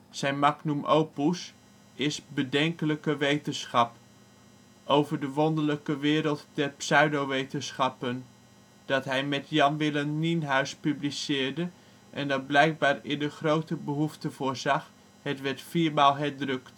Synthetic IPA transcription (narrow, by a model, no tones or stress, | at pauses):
z̥ɛjnmɑknumʔowpus | ɪsbədɛŋkələkəʋejtənsχɑp | ʔowvəɹdəʋɔndələkəʋɪːɾəlˠtdɛrpsœɥdowʋejtənsχɑpən | d̥ɑtɦɛjmɛtjɑnʋɪlənːinɦœɥspyblisɪːɹdə | ʔɛ̰ndɑt̚blɛjk̚baːɹɪndəχrowtəbəɦuftəvʊːɹzɑχ | hətʋɛɹtfiːɹmaːlˠɦɛɹdrɵkt